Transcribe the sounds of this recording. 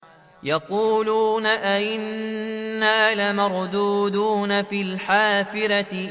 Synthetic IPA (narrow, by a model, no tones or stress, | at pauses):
jɑquːluːnaʔaʔɪnː | aːlamɑɾˤd̪uːd̪uːnafiːlħaːfɪɾat̪ɪ